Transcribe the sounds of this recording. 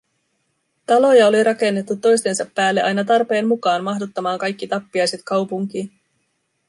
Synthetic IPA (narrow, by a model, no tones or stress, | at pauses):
t̪ɑlo̞jɑo̞liɾʔɑke̞nːe̞t̪ːut̪ːo̞jst̪e̞nsɑpːæːlːeʔɑjnɑt̪ɑrpe̞ːnmukɑːnmɑɦdot̪ːɑmɑːŋkɑjk̟ːit̪ɑpːiɑjse̞t̪kɑwpuŋk̟iːn